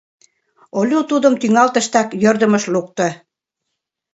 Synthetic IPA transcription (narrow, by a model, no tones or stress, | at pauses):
olʲut̪ud̪ə̆mt̪yŋɑlt̪ə̆ʃt̪ɑkjørd̪ə̆mə̆ʃluk̚t̪ɤ̆